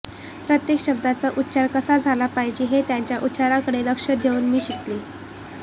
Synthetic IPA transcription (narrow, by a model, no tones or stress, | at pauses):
pɾət̪jekɕəb̚d̪at͡səʔut̪ːɕaɾkəsad͡zʱalapajd͡ʑiːɦet̪jaɲt͡ɕjaʔut̪ːɕaɾakəɽeɾəkʂəd̪ʱeuːnmiːɕit̪liː